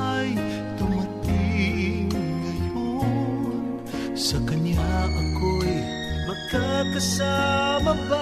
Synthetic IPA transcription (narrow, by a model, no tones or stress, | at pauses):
j | t̪ʊmɐt̪iŋŋɐjo | n | sɐkɐɲjaʔɐkoj | mɐkakɐsamɐba